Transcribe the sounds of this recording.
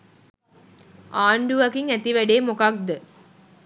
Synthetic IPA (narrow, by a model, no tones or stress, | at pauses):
ʔaːɳɖuʋɐkiŋæt̪iʋæɖeːmokɐk̚d̪ə